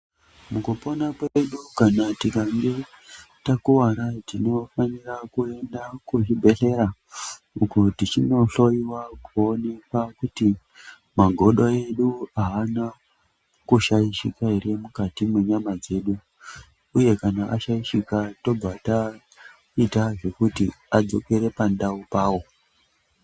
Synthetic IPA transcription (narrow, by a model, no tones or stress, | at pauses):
mukupo̞nakweɗukanatikaŋɡetakuwaɾatino̞fanirakue̞ndakuʐibʱe̞ɬe̞ɾa | ukutit͡ʃino̞ɬo̞iwakuone̞kwakuti | maɡʱo̞ɗoe̞ɗuaːna | kuʃaiʃikairiemukatimwe̞ɲamad͡ze̞ɗu | uje̞kanaʔaʃaiʃikato̞b͡vata | itaʐe̞kuti | ad͡zo̞ke̞ɾe̞pandaupaːwo̞